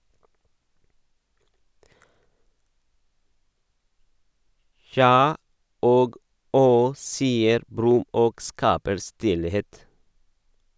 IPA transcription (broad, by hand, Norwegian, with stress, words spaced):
ˈçjɑː ˈoːɡ ˈɔh ˈsiːəɾ ˈbɾʉm ˈoːɡ ˈskɑːpəɾ ˈstɪlheːt